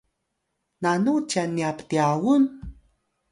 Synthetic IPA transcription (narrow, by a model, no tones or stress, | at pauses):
nanut͡ʃanːiapt̪iawun